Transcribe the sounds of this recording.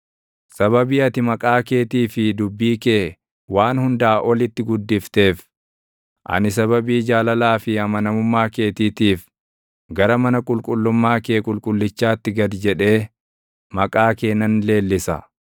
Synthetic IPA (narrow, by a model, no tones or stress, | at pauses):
sɐβɐbiːɐt̪ɪmɐkʼaːke̞ːt̪iːfɪd̪ʊbːiːkeː | waːnhʊnd̪aːʔɔlɪt̪ːɪɡʊd̪ːɪft̪e̞ːf | ʔɐ̰nɪsɐβɐbiːd͡ʒaːlɐlaːfɪhɐmɐnɐmʊmːaːke̞ːt̪iːt̪iːf | ɡɐɾɐmɐnɐkʼʊlkʼʊlːʊmːaːkeːkʼʊlkʼʊlːɪt͡ʃːaːt̪ːɪɡɐd̪d͡ʒɛᶑe̞ː | mɐkʼaːke̞ːnːɐnle̞ːlːɪsɐ̰